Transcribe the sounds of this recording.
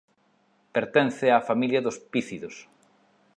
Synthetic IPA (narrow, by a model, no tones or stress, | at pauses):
peɾt̪ɛn̟θeafamiljɐðospiθiðos